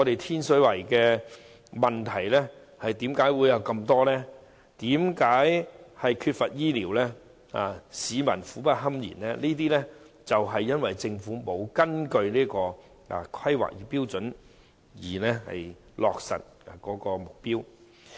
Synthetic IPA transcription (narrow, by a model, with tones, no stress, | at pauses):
ŋɔː˨˧t̪e˨jt̪ʰiː˥nsɵ˨˥wɐ˨˩jkɛː˧ | mɐ˨nt̪ʰɐ˨˩jlɛ˥ | hɐ˨jt̪iː˨˥mkaː˨˥jwuː˨˧jɐ˨˧wkɐ˧mt̪ɔː˥lɛː˥ | t̪iː˨˥mkaː˨˥jhɐ˨jkʰyː˧t̚fɐ˨t̚jiː˥liː˨˩wlɛ˥ | a̰ː˨siː˨˧mɐ˨˩nfuː˨˥pɐ˥t̚ɦɐ˥mjḭː˨˩nlɛː˥niː˥t̪iː˥lɛ˥ | t͡sɐ˨wɦɐ˨jːɐ˥nwɐ˨jt͡sɪ˧ŋfuː˨˥mo˨˧wkɐ˥nkɵ˧ɥliː˥kɔː˧ | a̰˨kʰɐ˥jwa̰ː˨k̚jiː˨piː˥wt͡sɵ˨˥n | jiː˨˩lɛ˥hɐ̰˨j | lɔː˨k̚sɐ̰˨t̚ | a˨˩kɔː˨˥kɔː˧mʊ˨k̚piː˥w